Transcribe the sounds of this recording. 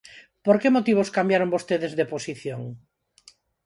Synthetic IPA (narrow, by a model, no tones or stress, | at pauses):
poɾkemot̪iβ̞oskambjaɾoŋbost̪eðezðeposiθjoŋ